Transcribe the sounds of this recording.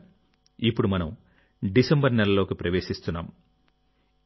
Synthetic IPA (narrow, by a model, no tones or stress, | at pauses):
ipːuɽumɐnɐm | ɖisembɐɾnɛlɐlo̞ːkipɾɐʋe̞ːʃist̪unːa̰ːm